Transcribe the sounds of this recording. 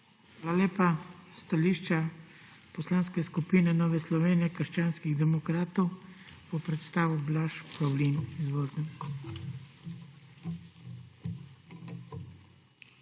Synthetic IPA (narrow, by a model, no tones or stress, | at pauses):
aːlaleːpast̪aliʃt͡ʃa | pɔslaːnskɛskupiːnɛnɔːʋɛslɔʋeːnijɛkəɾʃt͡ʃaːnskiɣd̪ɛmɔkɾaːt̪ɔw | pɔpɾɛt̪st̪aːʋublaʃpawlinizʋolzɛn